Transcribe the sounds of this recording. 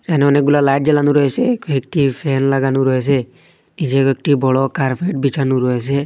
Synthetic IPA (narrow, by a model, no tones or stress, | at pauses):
d͡ʒaneɔnek̚ɡulalajʈ̚d͡ʒelanũɾɔɦesekek̚ʈipʰenlaɡanuɾɔes̬e | id͡ʒiekek̚ʈibɔɽɔkaɾpʰeʈ̚bit͡ʃanuɾɔɦese